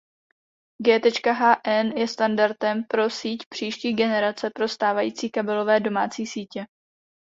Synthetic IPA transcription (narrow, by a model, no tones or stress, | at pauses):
ɡɛːt̪ɛt͡ʃkaɦaːʔɛnjɛst̪andaɾt̪ɛmpɾo̞siːcpr̝̥iːʃciːɡɛnɛɾat͡sɛpɾo̞st̪aːvajiːt͡siːkabɛlo̞vɛːdo̞maːt͡siːsiːcɛ